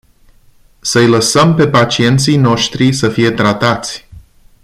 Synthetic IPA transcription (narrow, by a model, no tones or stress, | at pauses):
səjləsəmpe̞pat͡ʃie̞nt̪sijno̞ʃt̪ɾisəfije̞t̪ɾat̪at̪sʲ